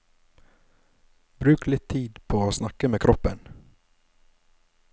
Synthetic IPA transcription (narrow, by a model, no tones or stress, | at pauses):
bɾʉːklɪt̪ʰːiːd̪pʰoːoːsnɑkːəmeːkʰɾʔɔpːən